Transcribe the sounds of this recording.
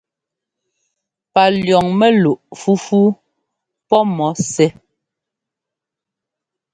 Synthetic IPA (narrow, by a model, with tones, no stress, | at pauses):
pa˨ljɔ˨ŋmɛ˦lu˨ʔfu˦fu˦ | pɔ˦mɔ˨˦sɛ˦